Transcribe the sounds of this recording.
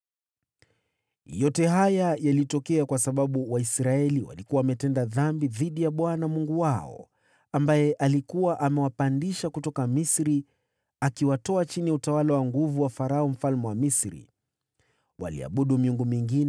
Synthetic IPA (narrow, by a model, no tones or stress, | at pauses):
jɔtɛɦajajalitɔkɛakwasaɓaɓuwaisɾaɛliwa̰likuwaːmɛtɛndaðambiðiɗijaɓwanamuŋɡuwaɔ̰ | ambajɛʔalikuwaʔamɛwapandiʃakutɔkamisɾi | akiwatɔat͡ʃiniutawalawaŋɡuvuwafaɾaɔm̩falmɛwamisɾḭ | wʔa̰lḭa̰ɓuɗumiuŋɡumiŋɡin